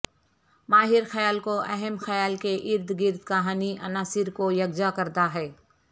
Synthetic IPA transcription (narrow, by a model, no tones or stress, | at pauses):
maːɦɪɾxɐjaːlkoʔɛɦɛmxɐjaːlkeʔɪɾd̪ʱɡɪɾd̪kɐɦaːniʔɐnaːsɪɾkojɐɡd͡ʒakɐɾd̪aɦɛː